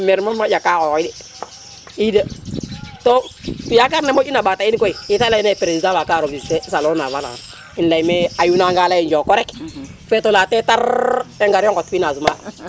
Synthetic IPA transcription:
mɛɾmamad͡ʒakaɔidɛ | ida | tɔtujakaɾnɛmot͡ʃinabatainkɔiitalanɛpɛɾesizaβakaːɾobisɛsalɔnavala̰a̰ | inlaimɛajunaŋɡalaind͡ʒɔkɔɾɛkfɛtolatɛtaɾɛŋɡaɾjɔŋkɔtfinasuma

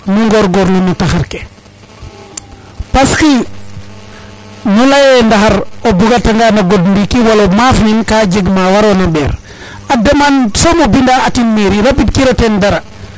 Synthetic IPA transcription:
miŋɡɔɾɡɔɾnunutaxaɾke | paski | nulajndaxaɾobuɡataŋɡanaɡodmbikiwalomafninkad͡ʒeɡmawaɾonabɛɾ | adamansomobindaːkinmiɾiɾabid̚kiɾotɛndaɾa

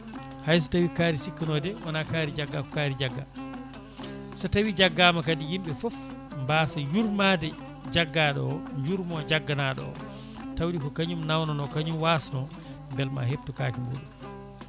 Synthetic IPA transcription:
hajs̬u̥tawikaːɾisikːanɔdɛwanakaɾid͡ʒaɡːakɔ̥kaːɾid͡ʒaɡːa | sɔtawid͡ʒaɡːaːmakadijimɓɛfɔfmbaːsajuɾmadɛ | d͡ʒaɡːaɗɔ̰ɲd͡ʒuɾmɔd͡ʒaɡːanaɗɔ̰ɔ̰ | tawɗikɔkaɲumnawnɔnɔkaɲumwaːsanɔ | mbɛlma̰heb̚tukaːkimṵɗum

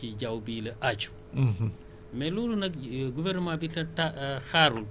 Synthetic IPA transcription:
iɟawbiːlɐʔat͡ʃu̥ | mɛlulunɐk̚ɡuvɛrnəmãbitɐtaxaːɾul

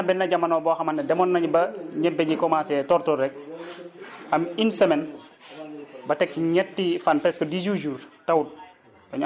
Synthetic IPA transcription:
bɛnːɐɟɐmːɐnɔbɔːxɐmɐnːɛdɛmɔnːɐɲbɐɲɛbɛɲɟikɔmasɛːtɔrtɔɾɛk̚ | ɐminsɛmɛn | bɐtɛkːiɲɛtːifanpɛskɔdid͡ʒud͡ʒuːrtɐwut̚ | bɐɲ

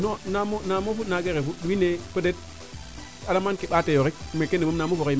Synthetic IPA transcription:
nonamonamofunaɡeɾefuɗuinekodet̚ | alamankiɓatejoek̚mekːenemumnamofokei

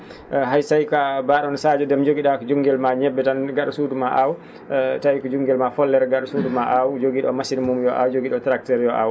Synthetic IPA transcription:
ɦajsajkabaɗɔnsad͡ʒɔdɛmd͡ʒoɡiɗakɔd͡ʒuŋɡɛlmaɲɛbːɛtanɡaɗusudumaʔaw | tajkɔd͡ʒuŋɡɛlmafɔlːɛɾɡaɗusuːdumaʔawd͡ʒoɡiɗɔmasinmumjɔʔa̰wd͡ʒoɡiɗɔtɾak̚tɛɾjɔʔa̰w

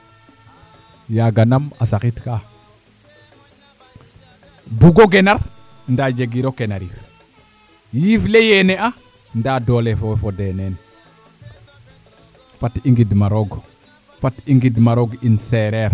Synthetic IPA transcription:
jaɡanamasakitka | buɡoɡenaɾ | ndaːd͡ʒeɡiɾokenaɾif | jiːflejenea | ndaːdoːlefofodenen | fatiŋɡidmaɾoɡ | fatiŋɡidmaɾoɡinseɾeɾ

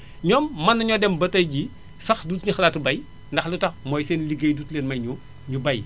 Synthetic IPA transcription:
ɲɔːmːɐnːɐɲɔdɛmbɐtɐjɟi | sɐxduːtnixɐlaːtːbɐj | ndɐxlitɐxmɔːjseːnliɡɐjduːtleːnmɐjɲu | ɲubɐj

